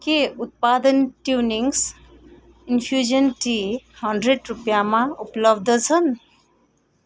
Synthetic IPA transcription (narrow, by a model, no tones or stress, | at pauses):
keut̪̚pad̪ənʈjuniŋs | inpʰjud͡ʒənʈihʌɳɖɾeɖɾupjamãupləbd̪ət͡sʰən